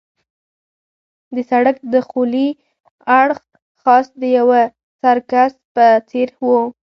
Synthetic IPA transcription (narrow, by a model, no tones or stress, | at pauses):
d̪əsaɽak̚d̪əxuli | aɽx | xɑsd̪əjawa | saɾkaspət͡seɾwu